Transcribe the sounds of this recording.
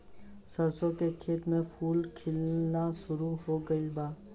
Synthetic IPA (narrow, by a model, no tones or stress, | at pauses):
səɾsõkekʰeːt̪mẽpʰuːlkʰɪlnaʃʊɾuɦoːɡəibaː